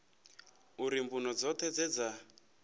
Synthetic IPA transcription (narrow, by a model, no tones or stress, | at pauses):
uɾimbunɔd͡zɔt̪ʰɛd͡zɛd͡za